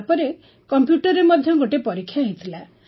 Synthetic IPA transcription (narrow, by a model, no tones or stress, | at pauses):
pɔɾe | kɔmpjuʈɔɾemɔd̪ʱjɔɡoʈepɔɾikʰːjaɦẽt̪ʰila